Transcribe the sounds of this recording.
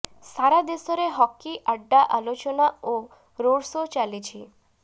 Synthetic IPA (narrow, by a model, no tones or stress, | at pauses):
saɾad̪esɔɾeɦɔkːiʔaɖːaʔalot͡ʃɔnao | ɾoɽsot͡ʃalit͡ʃʰi